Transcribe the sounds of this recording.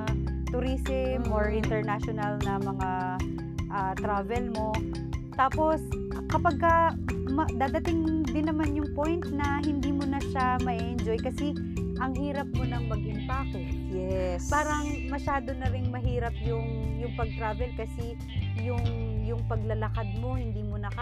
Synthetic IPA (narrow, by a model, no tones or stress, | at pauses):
t̪ʊɾisɪmʔoɹʔɪnt̪ɛɹnaʃonɐlnɐmɐŋa | ʔat̪ɾaːvɛlmo̞ | t̪aːpo̞sʔkɐpɐɡ̚kɐmɐd̪aːd̪ɐt̪ɪŋd̪ɪnːɐmanjʊŋpojnt̪nɐɦɪnd̪iːmʊnɐʃamɐʔiʔɛnd͡ʒo̞jkɐsɛ | ʔɐŋɦiːɾɐp̚monɐŋmɐɡʔɪmpakɛtjɛspaːɾɐŋmɐʃaːd̪o̞nɐɾɪŋmɐɦiːɾɐpjʊŋjʊŋpɐɡ̚t̪ɾaːvɛlkɐsɛ | jʊŋjʊŋpɐɡ̚lɐlɐkad̪̚mo̞hɪnd̪iːmonɐkɐ